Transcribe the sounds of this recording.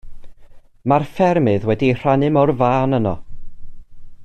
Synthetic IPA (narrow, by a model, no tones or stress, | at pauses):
marfɛrmɨðwɛdir̥anɪmɔrvaːnənɔ̰